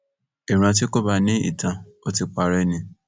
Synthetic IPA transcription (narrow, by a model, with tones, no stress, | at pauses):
i˨ɾ̃ã˧t̬i˦ko˦ba˦˨nĩ˦ḭ˦˨tã˧ | o˦ti˧k͡pa˧ɾɛ˦˨nĩ˧